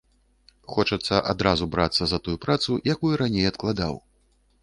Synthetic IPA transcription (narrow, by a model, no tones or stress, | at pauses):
xɔt͡ʂɐt̪sːɐʔad̪ɾazubɾat̪sːɐzɐt̪ujupɾat̪sujakujuɾanʲejɐt̪klˠad̪a̰w